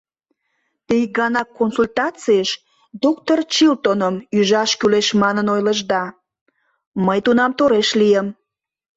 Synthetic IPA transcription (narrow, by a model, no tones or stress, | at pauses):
t̪ijɡɑnɑkːonsulʲt̪ɑt͡sieʃ | d̪okt̪ort͡ɕilt̪onəmyʒɑʃkyleʃmɑnənojləʒd̪ɑ | məjt̪unɑmt̪oɾeʃliəm